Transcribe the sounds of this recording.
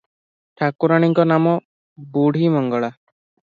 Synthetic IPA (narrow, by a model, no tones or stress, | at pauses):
ʈʰakuɾaɽ̃iŋkɔnamɔ | buɽ̤ʱimɔŋɡɔɭa